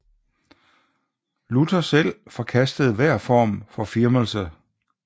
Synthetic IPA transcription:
lut͡sʰɐsel̰fɒ̽kʰæsd̥əð̞̩ˠʋæɐ̰fɒ̰ːmfɒ̽fiɐməlsə

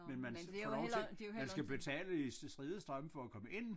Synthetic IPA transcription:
menmænɒemænsɡ̥æb̥e̝t͡sʰɛ̰ːləissd̥ʁiːðˠəsd̥ʁɶməfɒ̽ækʰɒ̽məʔe̝n̰

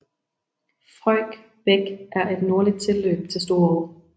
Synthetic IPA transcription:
fʁɒl̰ɡ̥ | b̥eɡ̥ʔæɐʔe̝d̥no̝ɐlid̥̚t͡sʰe̝lø̰ːb̥̚t͡sʰe̝lsd̥o̝ːɐʁo

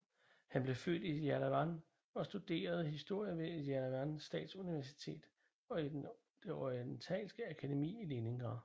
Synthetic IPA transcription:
hænb̥le̝fø̰ːd̥ijælæʋɑn | ɒ̽sd̥ud̥e̝̰ːɐð̞̩ˠhisd̥o̝ɐ̰jəʋe̝jælæʋɑnsd̥ɛ̰ːd̥suniʋæɐsi̥t͡sʰe̝̰ːd̥ | ɒ̽id̥e | d̥e̝ɒint͡sʰɛ̰ːlsɡ̥əækʰæd̥emḭːile̝ne̝ŋɡ̥ɐ

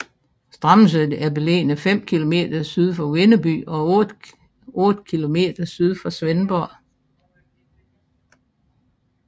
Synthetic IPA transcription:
sd̥ʁɑ̈ms̬ød̥æɐb̥ele̝̰ːnəfem̰kʰilo̝me̝̰ːd̥ɐsyð̞ˠfɒwe̝nəb̥y̰ɒ̽ɔd̥ | ɔːd̥kʰilo̝me̝̰ːd̥ɐsyð̞ˠfɒ̽sʋenb̥ɒ̰

